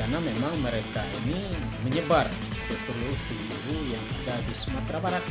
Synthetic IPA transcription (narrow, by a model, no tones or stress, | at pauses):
arnamemaŋməɾeka̰ḭni | məɲəbar | kəsəlufiuɾujaŋt̪idadisumat̪ɾabaɾat̪̚